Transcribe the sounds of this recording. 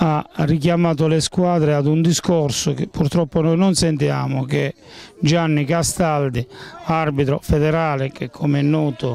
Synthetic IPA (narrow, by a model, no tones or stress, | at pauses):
arːik̬jamaːt̪̬ʊleskwaːd̪ɾead̪und̪iskɔrsʊk̟ɪpːuɾt̪ɾɔpːonɔjnɔnsɛnt̪ia̰ːmʊke | d͡ʒanːikast̪ald̪iarbit̪ɾofɛd̪ɛɾaːlɪk̟ekʰːɔmɛnːɔːt̪ʊ